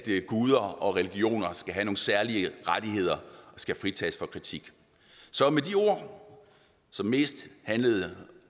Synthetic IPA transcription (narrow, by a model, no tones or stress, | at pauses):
d̥ɡ̥uð̞ˠɐɒ̽ʁɛliɡ̥io̝̰ːnɐsɡ̥æɦæno̝ːn̩sæɐliəʁad̥iɦe̝ð̞̰ˠɐʔɒ̽sɡ̥æfʁit͡sʰɛ̰ːsfɒ̽kʰʁit͡sʰiɡ̥ | sɒ̽medio̝ɐ̰ | sɒ̽mːe̝̰ːsd̥hænləð̞̩ˠ